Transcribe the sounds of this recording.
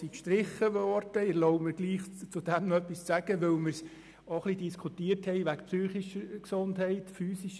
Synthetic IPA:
sikʃtɾɪχəʋɔɾd̥əɪlɔʊmɪɾɡliːχt͡sʊdɛmnœpːist͡sæɡəʋɪlmɪɾs | oχlidiskʰutiːərthɛɪʋækpsyːχiʃəɾksʊndɦɛɪtfyːsiʃ

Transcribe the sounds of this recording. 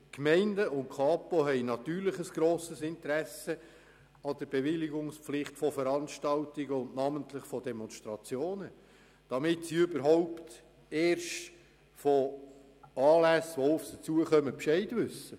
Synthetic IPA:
kmɛɪndəʔʊntkʰɑːpoɦɛɪnɑt̪yːɾlɪχəsɡ̥ɾoːsəsɪntəɾæsə | ɑd̥əɾbevɪliɡʊŋspflɪχtfɔfəɾɑnʃtɑltiɡəʊndnɑməntlɪχfɔdɛmɔnʃtɾɑt͡sjoːnə | d̥ɑmɪtsiʏbəɾɦoʊpt | eːrʃt | fɔ | ɑːlæsʋoʊfsət͡suəχœməpʃɛɪdʋʏsːə

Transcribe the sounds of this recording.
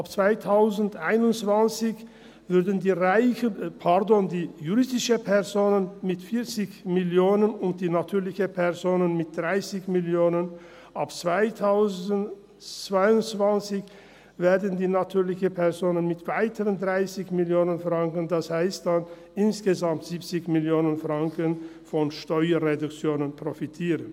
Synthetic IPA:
apt͡sv̥aɪtʰaʊzn̩dʔaɪnʊntt͡sv̥ant͡sɪç | v̥ʏɐdən̩diːʁaɪçəpʰɛʁdoːndiːjuʁɪsdɪʃəpʰɛʁzoːnənmɪtfɪːɐt͡sɪçmɪljoːnənʊnt̚d̥iːnatʰyːɐlɪçəpʰɛɐzoːnənmɪt̚d̥ʁaɪsɪçmɪljoːnən | ʔapt͡sv̥aɪtʰaʊzən | t͡sv̥aɪʊntt͡sv̥ant͡sɪç | veːɐdən̩diːnatʰyːɐlɪçəpʰɛɐzoːnənmɪtv̥aɪtʰəʁəndʁaɪsɪçmɪljoːnənfʁ̥aŋkəndashaɪstd̥an | ʔɪnsɡ̥əzamtz̥iːpt͡sɪçmɪljoːnənfʁaŋkənfɔnʃtɔʏɐʁedʊkt͡sjoːnənpʁ̥ofitʰiːʁən

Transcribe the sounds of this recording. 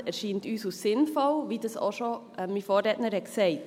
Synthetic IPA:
æɾʃiːntyːsusːɪnfɔlʋidɑso̰ʃoʔɛmifɔːɾɛtnəɾhɛtksɛɪt

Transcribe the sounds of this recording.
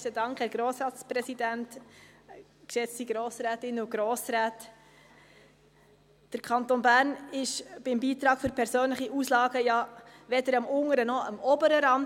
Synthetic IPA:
sədɑŋkhæːɾɡ̥ɾoːsɾɑːt͡sprɛsidænt | kʃɛt͡stiɡɾoːsɾɛːtɪnːʊɡ̥ɾoːsɾæːt | d̥əɾkʰɑntonbæːɾnɪʃb̥ɪmbiːtɾɑːɡ̥fʏɾpʰɛɾsøːnləχiʔuːslɑːɡəjɑʋɛdəɾɑmʊŋəɾənɔəmɔbəɾəɾɑm

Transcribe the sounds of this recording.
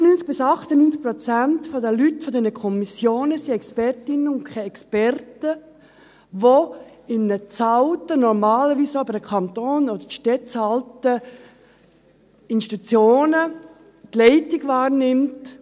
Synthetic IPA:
nynt͡sɡ̥̚b̥ɪsɑχtənynt͡sk̚pɾɔt͡sæntfɔdəlytfɔdɛnəkʰɔmisjoːnəsiɛkspɛrtɪnəʊnkʰɛɛkspɛrtə | ʋo | ɪnət͡sɑltənɔɾmaːləʋiːsbədəkʰɑnt̪oːnod̥̪əɾʃtɛt͡sɑltə | insʃi̥titut͡sjoːnə | tlɛɪtɪɡvɑːɾnɪmt

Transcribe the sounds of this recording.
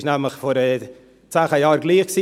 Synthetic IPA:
ʃnɛmləχfɔɾə | t͡saːχajɑːɾɡliːχksi

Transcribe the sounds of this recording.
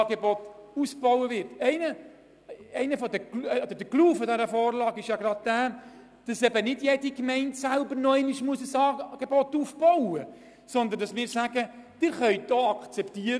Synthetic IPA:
ɡebɔtusb̥ɔwəvɪɾtɛɪnə | ɛɪnəfɔdə̥ɔd̥əɾd̥əkluːfɔdɛɾəfɔːɾlɑːɡɪʃjɑɡɾɑd̚d̥æː | d̥ɑsɛbənɪdjɛdikmɛɪntsælbəɾnɔɛɪnɪʃmuəsəsɑːɡ̥ebɔtufb̥owə | sɔnd̪əndɑsmɪːɾsæɡəd̥ɪɾχœʏt̚doɑkt͡sɛptiəɾ

